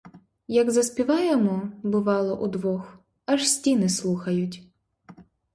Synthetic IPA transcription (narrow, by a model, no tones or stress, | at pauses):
jɐɡzɐsʲpʲiʋɑjɛmɔbʊʋɑlˠɔʔud̪ʋɔx | ɐʒsʲtʲinɪslˠuxɐjʊtʲ